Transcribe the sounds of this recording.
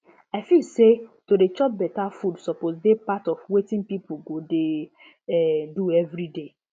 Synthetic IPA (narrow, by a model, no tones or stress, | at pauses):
aɪfilsetodet͡ʃɔp̚bɛtafudsɔpozdepatɔfwetĩŋpipuɡode | ɛduɛvɾide